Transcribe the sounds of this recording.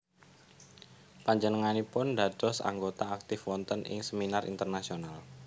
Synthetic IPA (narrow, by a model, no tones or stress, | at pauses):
paɲd͡ʒənəŋanipʊndadɔsa̰ŋɡot̪aːk̚t̪ɪfwɔnt̪ənʔɪ̰ŋsəminarʔḭnt̪ərnasional